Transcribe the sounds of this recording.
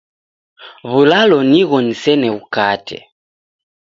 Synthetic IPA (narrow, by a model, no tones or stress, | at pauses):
βulalɔniɣɔnisɛnɛβukatʰɛ̰